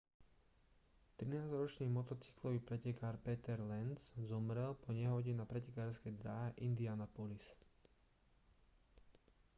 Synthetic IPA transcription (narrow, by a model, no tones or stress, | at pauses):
t̪ɾinaːzɾɔt͡ʃniːmɔt̪ɔt͡si̥klɔʋiːpɾɛcɛkaːɾpɛt̪ɛɾlɛnzzɔmɾɛlpɔɲɛɦɔɟɛnapɾɛcɛkaːɾskɛjd̪ɾaɦɛʔind̪ianapɔlis